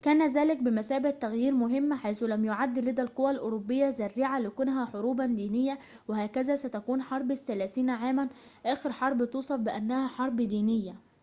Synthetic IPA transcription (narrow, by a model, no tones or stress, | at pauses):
kæːnæzæːlɪk̚bɪmæsæːbat̪ːæɣjiːɾmʊɦɪmːħajθʊlæmjoʕad̪ːlɪd̪ælqʊwælʔʊːɾobːɪjːæzæɾːiːʕalɪkʊnɦæħoɾuːband̪iːnɪjːæ | wɪhæːkæzæːsæt̪ækuːnħɑɾˤbɪθːælæːθiːnʕaːmænʔæːxɪɾħɑɾˤbt̪uːsˤɑfbɪʔænːæhæħɑɾˤbd̪iːnɪjːæ